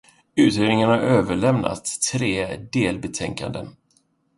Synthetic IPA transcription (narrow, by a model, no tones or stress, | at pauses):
ʉ̟ːt̪ɾeːd̪nɪŋaɳhaɾøːvəɭɛmna̰t̪ʰːɾeːd̪eːlbɛt̪ʰɛŋka̰nd̪ə̰n